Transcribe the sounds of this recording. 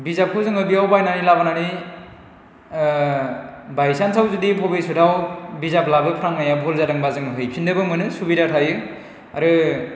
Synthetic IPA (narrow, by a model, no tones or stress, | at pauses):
bizap̚kʰɯwzɯŋɯbiawbajnaɾilabanaɾi | bajsansʰawzudipʰɔbesudʰawbizap̚labɯpʰɾaŋnajabʱulzadɯŋbazɯŋɯɦɯjpʰindɯbɯmɯnɯsubidatʰajɯ | a̰ɾɯ